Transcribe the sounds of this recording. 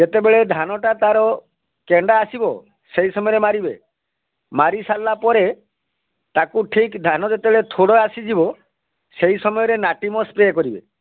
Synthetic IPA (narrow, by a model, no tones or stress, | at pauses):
d͡ʒet̪ebeɭed̪ʱanɔʈat̪aɾɔ | keɳɖaːsibɔ | seɦisɔmɔjɔɾemaɾibḛ | maɾisalːapɔɾe | t̪akuʈʰikd̪ʱanɔd͡ʒet̪ebeɭet̪ʰoɽɔasid͡ʒibɔ | seɦisɔmɔjɔɾenaʈimɔspɾekɔɾibḛ